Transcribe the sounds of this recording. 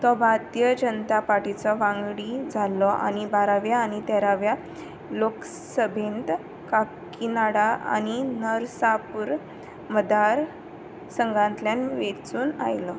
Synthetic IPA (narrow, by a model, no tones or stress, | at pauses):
t̪ɔbʱaɾt̪ijəd͡ʑənət̪apaɾʈit͡sɔʋãŋɡɽid͡zʱalɔʔa̰ñibaɾaʋjaːñit̪ɛɾaʋja | lok | səbʱent̪ | kakk | inaɽaa̰ninəɾsapuɾ | məd̪aɾ | səŋɡãnt̪ljanʋet͡suːna̰jlɔ